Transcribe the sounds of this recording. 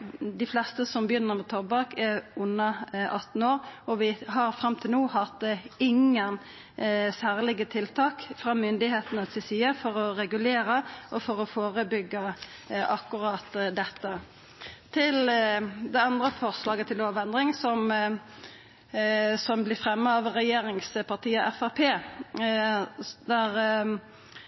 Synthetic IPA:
d̪ɪflɛst̪əsɔmbjʏnːəʁmɛt̪ʰɔʁbɑkɛʊnːɑʔɑt̪n̩oːʁɔʋɪɦɑʁfɾɑmt̪ʰɪlnuːhɑt̪ɪŋən | sæːʁlɪɡət̪ʰɪlt̪ʰɑːkfʁɑːmʏnd̪ɪheːt̪nəsʰɪsyːəfɔɾɔɾɛɡʉleːɾəʔɔfɔɾɔfoːʁəbʏɡə | ɑkːʉʁɑːt̪d̪ɛt̪ːə | t̪ʰɪld̪ɛɑnd̪ʁəfɔʁslɑːɡət̪ʰɪloːʋɛnd̪ʁɪŋsɔm | sɔmblɪfʁɛmːəɑʋʁɛjeːɾɪŋspʰɑt̪ʰiːəɔʔɛfæpʰeː | d̪æʁ

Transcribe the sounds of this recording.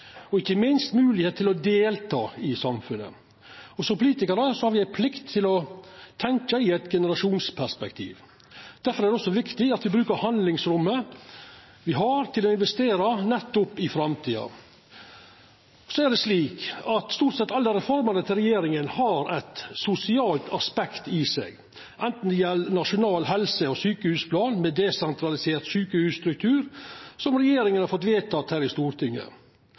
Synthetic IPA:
ɔɪçːəmɪnst̪mʉːlɪheːt̪ʰːɪlɔd̪eːlt̪ʰɑ̰ːɪsɑmfʉnːə̰ | ɔsɔpʰʊliːt̪ɪkəɾəsɔhɑɾʋɪæɪpʰlɪkt̪ʰːɪlɔt̪ʰɛŋkəɪɛɪt̪ɡɛnəɾɑʂuːnspʰæʂpɛkt̪ʰḭːʋ | d̪̥æɾfɔɾæd̪ɛɔsːɔʋɪkt̪ɪɑt̪ʋɪbɾʉːkəɾhɑnd̪lɪŋsɾʉmːə | ʋɪɦɑɾt̪ʰɪlɔɪnʋɛst̪eːɾɑnɛt̪ːʊpːɪfɾɑmt̪ʰiːɑ̰ | sɔæɖɛsliːkɑt̪st̪uːʈsɛt̪ːɑlːəɾɛfɔɾmɑnət̪ʰɪlɾɛjeːɾɪŋənhɑɾɛt̪sʊsɪɑːlt̪ʰɑspɛkt̪ɪsɛ̰ɡ | ʔɛnt̪n̩d̪ɪjɛlːnɑʂʊnɑːlɦɛlsəɔsyːkəhʉːspʰlɑːnmɛd̪ɛsɛnt̪ʰɾɑlɪseːɾt̪syːkəhʉːsst̪ɾʉk̚t̪ʰʉːɾsɔmɾɛjeːɾɪŋənhɑɾfɔt̪̬ʋeːt̪ʰɑːt̪hæːɾɪst̪uːɾt̪ʰɪŋːə̰

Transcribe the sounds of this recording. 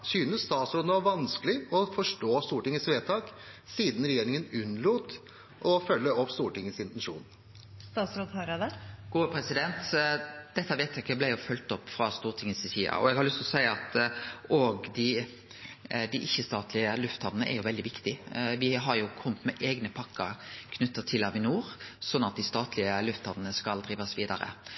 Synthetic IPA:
syːnəsst̪ɑːt̪sɾɔd̪nʋɑʋɑnsklɪɔfɔʂʈoːst̪uːʈɪŋːəsʋeːt̪ʰɑːk | siːd̪n̩ɾɛjeːɾɪŋənʉnːluːt̪ | ʔɔfœlːəɔpːst̪uːʈɪŋːəsɪnt̪ɛnʂṵːn | st̪ɑːt̪sɾɔd̪hɑɾɑd̪əɡ̥uːəpʰɾɛsɪd̪ɛnt̪d̪̥ɛt̪ːəʋeːt̪ʰɑːkəblæɪjʊfœlt̪ɔpːfɾɑst̪uːʁʈ̪ʰɪŋːəssiːɑ̰ɔ̰ɛɡhɑɾlʏst̪ɔsæɪɑt̪oɡd̪ɪ | d̪ɪʔɪçːəst̪ɑːt̪lɪəlʉft̪hɑnnəʔɛ̰ɾjʊʋɛld̪ɪʋɪkt̪ɪʋɪɦɑɾjʊkʰɔmt̪mɛʔeːɡnəpʰɑkːəkʰnʉt̪ːɑt̪ʰɪlɑʋɪnuːɾsɔnːɑt̪̚d̪ɪst̪ɑːt̪lɪəlʉft̪hɑnənəskɑld̪ɾiːʋɑsʋiːd̪ɑɾə̰

